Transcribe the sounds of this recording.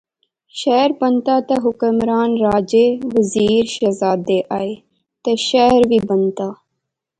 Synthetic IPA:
ʃɛɦɾbənt̪aːt̪ɐɦʊkəmɾaːnɾaːd͡ʒeːʋəziːɾʃɐzaːd̪eːʔaːeː | t̪eʃɛɦəɾʋiːbənt̪aː

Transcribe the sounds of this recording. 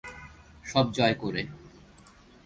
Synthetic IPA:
ʃɔb̚d͡ʑɔekoɾe

